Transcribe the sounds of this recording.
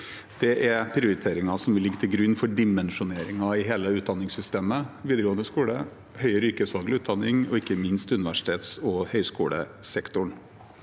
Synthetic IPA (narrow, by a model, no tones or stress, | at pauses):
d̪̥ɛʔæɾpʰɾɪʊɾɪt̪ʰeːɾɪŋɑsɔmʋɪlɪɡːt̪ʰɪlɡɾʉnːfɔɖɪmɛnʂʊneːɾɪŋɑɪɦeːləʉːt̪̚d̪ɑnːɪŋsʏst̪eːməʋiːd̪əɾɡoːənd̪əskuːɽə | hœʏəɾʏːkəsʋɑːɡlɪʉːt̪̚d̪ɑnːɪŋɔɪkːəmɪnst̪ʉnɪʋæʂɪ̥t̪ʰeːt̪sɔhœʏskṵːlə̰sɛkt̪ʊɳ